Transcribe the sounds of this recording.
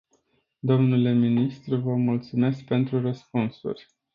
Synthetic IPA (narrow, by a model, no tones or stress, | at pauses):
d̪o̞mnule̞minist̪ɾuvəmult̪sume̞sk̚pe̞nt̪ɾurəspunsṵrʲ